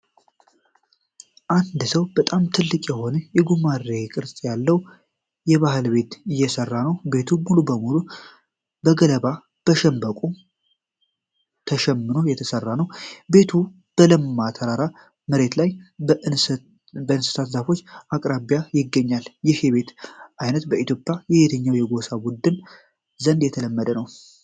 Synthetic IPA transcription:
ʔand̪səwbət̪ʼamt̪ʰɨlːɨkʼjɛhonəjɛɡumarːekʼɨɾsʼjalːəw | jɛβahɨlbe̞t̪ɨjːɛsərːanəwbe̞t̪ʰumulubəmulu | bəɡələβa | b̥əʃɛmbəkʼu | t̪ʰəʃɛmːɨno̞jɛt̪ʰəsərːanəwbe̞t̪ʰu | b̥əlɨmːat̪ʰəɾaɾa | məɾe̞t̪laj | bəɨnsɨ̥t̪ʰat̪zafo̞t͡ʃːakʼɾabjajɪɡːəɲːaljɪheβe̞t̪ʔajnət̪bəit̪ʰjo̞pʼjajɛbet̪ʰəɲːawjɛɡo̞sabud̪ːɨn | zənd̪jɛt̪ʰələmːəd̪ənəw

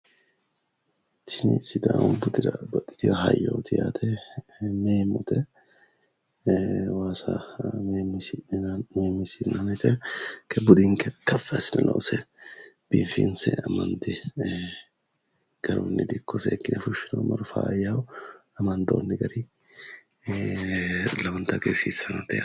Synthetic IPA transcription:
t̪ːɪnɪsɪd̪ɐbʊd̪ɪɾɐbɐt̪ʼːɪ̥t̪ɪɾɐɦɐjːoːt̪ʰɪjaːt̪ʰɛ | meːmːʊt̪ɛ | waːsɐ | meːmːɪsɪnːɐnɪt̪ɛkɛbʊd̪iŋkɛkɐfːɛsɪnɐ̰lʔɐ̰ʔʊsɛ | b̥ifɪnsɛ̰ɐmɐnd̪ɛ | ɡ̥ɐɾonːɪd̪ɪkːɔsɛːkːɪnɛfʊʃɪnomɐɾʊfaːjawɐmɐnd̪o̰ːnːɪɡɐɾɪ | lɐwɐnt̪ɐɡefisɐnɐt̪ɛa

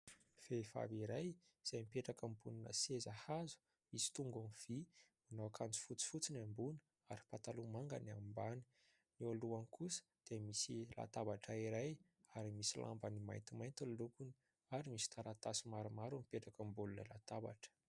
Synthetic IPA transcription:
feifa̰viɾaj | z̥ajmipeʈ͡ʂakambuninə̰sezahazu̥ | misi̥t̪uŋɡamiv̥imanawakʰand͡zu̥fut͡si̥fut͡sinambunə̥ | aɾi̥pat̪alumaŋɡa̰nambani̥ | nioluanikusə̥d̪̥emisila̰t̪abaʈ͡ʂaiɾaj | aɾimisilʔa̰mbanima̰jnt̪imajnt̪ollukuni̥ | aɾimisi̥t̪ʰaɾat̪asimaɾumaɾumipeʈ͡ʂakəmbulunə̰la̰t̪aba̰ʈ͡ʂə̥

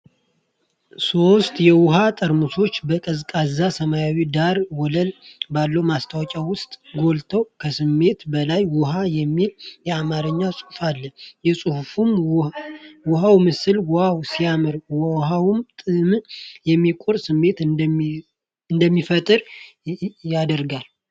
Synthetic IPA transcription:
so̞st̪ʼjɛwʊɦat̪ʼəɾmɨsʰo̞t͡ʃːbəkʼəzkʼazːasəmajawid̪aɾwɔləlbalːəwmast̪ʰawɔt͡ʃʼawʊst̪ʼɡo̞lt̪ʰəwkʰəsɨmːe̞t̪bəlajwʊɦajɛmːiljɛamaɾɨɲːasʼuhfalːəjɛsʼuhfum | wʊɦawmɨsɨlwʊhawsijamɨɾwɔwɦawmt̪ʼɨmjɛmːikʼuɾsɨmːe̞t̪ | ɨnd̪əmːifət̪ʼɨɾ | jad̪əɾɡal

